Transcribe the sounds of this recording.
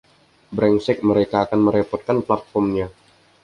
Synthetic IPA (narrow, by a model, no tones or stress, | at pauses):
bɾɛŋsɪk̚məɾekaːkanməɾepɔt̪̚kanplat̪̚fɔmɲa